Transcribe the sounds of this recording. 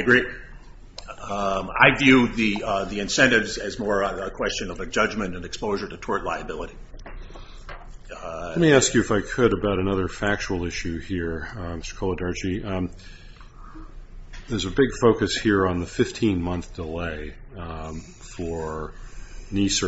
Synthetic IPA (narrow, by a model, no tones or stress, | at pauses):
ɡɹi | a̰ɪvjʉðiðiɨ̃nsɛ̃ntɨvzɨzmɔɹəkʰw̥ɛst͡ʃɨ̃nʌvɨd͡ʒʌd͡ʒmɨ̃ñɨ̃nɨkspoʊʒə˞ɾɨtʰɔɹtˡlaɪɨbɪlˠəɾi | t̚miæskjʉɨfaɪkʰɨɾɨbaʊɾɨnʌðə˞fæk̚t͡ʃul̩ˠɪʃʉhiɹmɪstə̥˞kʰolˠədɑɹt͡ʃi | ðə˞zɨbɪɡ̥foʊkɨshiɹə̃nðɨfɪftʰĩnmʌ̃nθd̥əleɪ | fə˞ | nisə